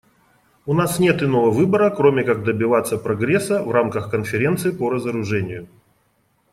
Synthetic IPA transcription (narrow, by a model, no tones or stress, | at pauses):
ʊnasnʲe̞t̪ɨnovəvɨbəɾəkɾomʲɪkaɡ̚d̪əbʲɪvat̪sːəpɾɐɡɾʲe̞sːəvramkəxkənfʲɪɾʲent̪sɨɪpəɾəzəɾʊʐɛnʲɪjʊ